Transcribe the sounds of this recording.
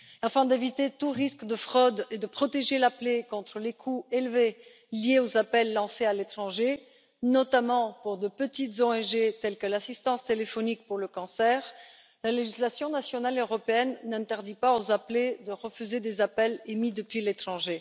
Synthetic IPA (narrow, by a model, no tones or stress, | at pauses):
ɑ̃fɛ̃d̪evit̪et̪uʁiskd̪əfχɔd̪ed̪əpχɔt̪eʒelaplekɔ̃t̪χəlekʰuelve | ljeozapɛlːɑ̃sealet̪χɑ̃ʒe | nɔt̪amɑ̃puʁd̪əpət̪it̪zɔɛnʒet̪ɛlkəlasist̪ɑ̃st̪elefɔnik̚puʁləkɑ̃sɛːʁ | laleʒislasjɔ̃nasjɔnaløʁɔpeɛnːɛ̃t̪ɛʁd̪ipaozapled̪əʁəfyzed̪ezapɛlemid̪əpɥilet̪χɑ̃ʒe